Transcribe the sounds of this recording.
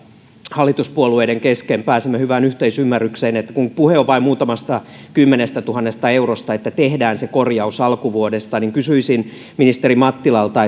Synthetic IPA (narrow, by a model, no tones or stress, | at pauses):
hɑlːit̪uspuolueideŋkeskempæːsemːøhyʋænyht̪eisymːærːykseːnet̪ːæ̥kuŋpuheoʋɑimuːt̪ɑmɑst̪ɑ | kymːenest̪æt̪uhɑnːest̪ɑeurost̪ɑet̪ːæt̪ehdæːnsekorjɑusɑlkuʋuodest̪ɑniŋkysyisin | minist̪erimɑt̪ːilɑlt̪ɑ